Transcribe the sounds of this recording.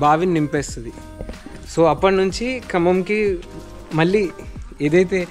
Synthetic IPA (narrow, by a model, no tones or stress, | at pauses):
baːʋinnimpeːst̪und̪i | so̞ːɐpːɐʈnuɲt͡ʃikɾɐmɐmki | mɐɭːiːeːd̪ɐjt̪e̞ː